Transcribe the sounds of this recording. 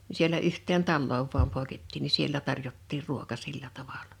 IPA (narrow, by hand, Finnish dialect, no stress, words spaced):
ni sielæ yhtːeːn tɑlːoːʋ ʋuɑm poˑe̝ketːiːn ni sielːæ tɑrjotːiːr ruokɑ silːæ tɑʋɑlɑ̥